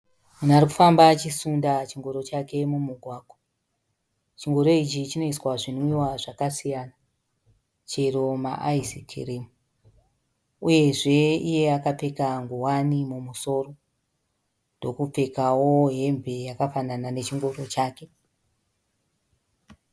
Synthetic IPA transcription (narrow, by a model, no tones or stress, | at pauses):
munaɾiku̥fambat͡ʃisundat͡ʃiŋɡo̞ɾo̞t͡ʃake̞mumuɡʱwaːɡʱo | t͡ʃiŋɡo̞ɾo̞it͡ʃit͡ʃino̞iswaʐinuiwaʐakasijaːna | t͡ʃe̞ro̞ma̰ʔaisikʰerimu | uje̞ʐe̞ije̞akap͡fe̞kaŋɡuwanimumuso̞ːro̞ | ndo̞kup͡fe̞kawoɦe̞mbʱe̞jakafananane̞t͡ʃiŋɡo̞ɾo̞t͡ʃaːke̞